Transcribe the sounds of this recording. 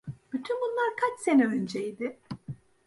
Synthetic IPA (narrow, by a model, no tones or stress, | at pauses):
b̥yt̪ʰynbunlˠaɾkʰat͡ʃse̞nɛø̞nd͡ʒejd̪ɪ